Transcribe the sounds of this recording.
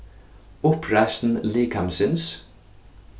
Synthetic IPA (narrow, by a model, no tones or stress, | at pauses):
ʊpʰɹæst̪n̩liːkʰamsɪns